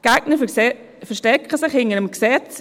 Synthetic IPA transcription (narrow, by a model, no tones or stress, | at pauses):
ɡ̥aɡ̚nə | fɛʃtɛkʰəsɪχhɪŋənəmksɛt͡s